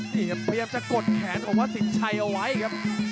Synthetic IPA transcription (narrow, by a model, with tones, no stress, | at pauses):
nʰiː˧˩kʰa˥˩pʰa˧jaː˧mt͡ɕa˨˩ko˨˩t̪̚kʰɛː˩˦npʰo˩˦mwaː˥˩si˨˩˦nt͡ɕʰa˧jʔa˧wa˦˥jkʰa˦˥p̚